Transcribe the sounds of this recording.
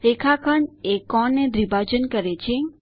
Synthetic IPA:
ɾekʰakʰəɳekɔnːed̪ɾibʱad͡ʒənkəɾet͡ʃʰe

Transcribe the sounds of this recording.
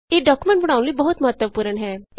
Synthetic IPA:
eːɖɔːkumẽɳʈbəɽaːũləiːbəɦʊt̪məɦət̪ːəpuːɾəɳɦɛː

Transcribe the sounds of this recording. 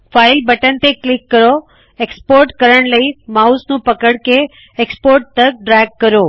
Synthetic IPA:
faɪlbəʈənt̪eklɪkːəɾo | ekspoːɾʈkəɾəɽ̃ləimausnũpəkəɽke | ekspoɾʈ̚ʈ̪ək̚ɖɾɛɡ̚kəɾoː

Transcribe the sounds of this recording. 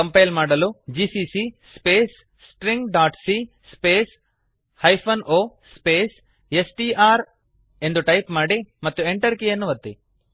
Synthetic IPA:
kɐmpɐjlmaːɽɐlud͡ʒiːsiːsiːspeːs | sʈɾiŋɡɖaːʈsiː | speːs | hɐjpʰɐnoːspeːs | esʈiːʔaːɾ | e̞nd̪uʈɐjpmaːɽimɐt̪ːueɳʈɐɾkienːuʋɐt̪ːi

